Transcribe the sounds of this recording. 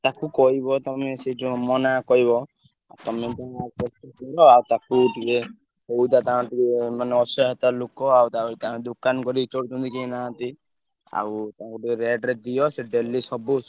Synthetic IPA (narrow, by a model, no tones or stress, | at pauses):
t̪akukɔɦibɔt̪ɔmesed͡ʒɔ̃mɔnakɔɦiβɔ | at̪ɔmet̪apɔtɔɔɾɔawt̪akuʈike | sowd̪at̪aãʈikemaneɔsɔɦat̪alokɔawt̪akit̪aɦãed̪ukankɔɾit͡ʃɔɽt̪ʰũnt̪ikeĩnaɦãt̪i | a̰wt̪aɦãkuʈikeɾeɖɾed̪ijɔseɖelisɔbus